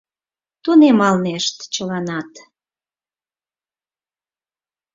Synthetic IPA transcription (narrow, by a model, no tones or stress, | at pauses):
t̪unemɑlneʃt̪t͡ɕəlɑnɑt̪